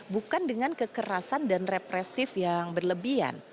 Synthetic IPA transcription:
bukandəŋankəkəɾasandanrepɾɛsɪfjaŋbərləbia̰n

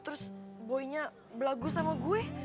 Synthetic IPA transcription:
t̪əɾʊsboiɲa | bəlaɡusamaɡuɛ

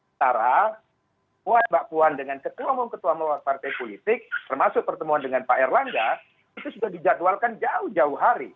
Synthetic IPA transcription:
t̪aɾa | muat̪̚baʔpuandəŋankət̪uamʊŋkət̪uaməlowat̪̚part̪ajpolit̪ɪk̚t̪ərmasʊk̚pərt̪əmuandəŋanpaɛrlaŋɡa | it̪usudahdid͡ʒat̪ualkand͡ʒaʊhd͡ʒaʊhɦaɾi

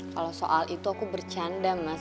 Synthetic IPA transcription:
kalawso̰ʔalʔit̪uakubərt͡ʃandama

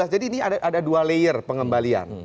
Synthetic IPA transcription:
asd͡ʒadiːniadaʔadadualejərpəŋəmbalia̰n

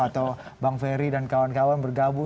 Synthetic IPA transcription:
at̪awbaŋfeɾidankawankawanbərɡabu

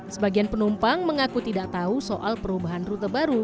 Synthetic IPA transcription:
səbaɡianpənumpaŋməŋakut̪idaʔ̚t̪ausoʔalpəɾubaɦanrut̪abaɾu

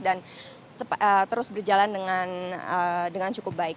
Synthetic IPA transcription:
dan | ət̪əɾʊsbərd͡ʒalandəŋan | dəŋant͡ʃukʊp̚baɪk̚

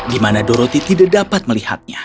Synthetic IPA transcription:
dimanadoɾot̪it̪idadapat̪̚məliha̰t̪̚ɲa

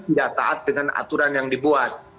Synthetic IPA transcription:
t̪idak̚t̪a̰ʔat̪̚dəŋana̰t̪uɾanjaŋdibuat̪̚

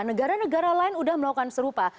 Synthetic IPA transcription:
nəɡaɾanəɡaɾalaɪnudahməlaukansəɾupa

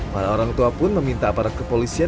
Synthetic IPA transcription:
maɾaoɾaŋt̪uapʊnməmint̪aːpaɾat̪̚kəpolisia

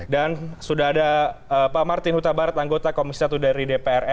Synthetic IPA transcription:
dansudaɦadaəpamart̪ɪnhut̪abaɾat̪aŋɡot̪akomisat̪udaɾidepeɛrɛ

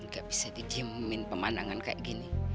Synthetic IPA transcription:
ŋɡaʔbi̥sadidiəmmɪnpəmandaŋanka̰ʔiɡini

